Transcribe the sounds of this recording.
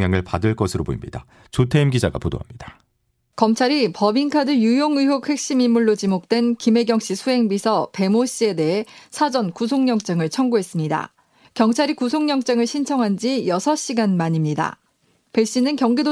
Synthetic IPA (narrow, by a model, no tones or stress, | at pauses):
jaŋɯɭpadɯɭk͈ʌsʰɯɾobo̰imɲida | t͡ɕotʰeimɡid͡ʑaɡa̰podo̰ɦamɲid̥ḁ | kʌmt͡ɕʰaɾipʌbinkʰadɯjujoŋɯjok̚hwe̞k̚ɕ͈imimːuɭːot͡ɕimok̚t͈we̞nkime̞ɡjʌŋɕ͈isʰuɦe̞ŋbisʰʌpe̞moɕ͈ie̞de̞ɦe̞sʰad͡ʑʌnkus̬ʰoŋɲʌŋt͡ɕ͈eŋɯɭt͡ɕʰʌŋɡuɦe̞s͈ɯmɲida̰ | kjʌŋt͡ɕʰaɾikusʰoŋɲʌŋt͡ɕ͈eŋɯɭɕʰint͡ɕʰʌŋɦand͡ʑijʌsʰʌɕ͈iɡanmaɲimɲida̰ | pe̞ɕ͈inɯnkjʌŋɡido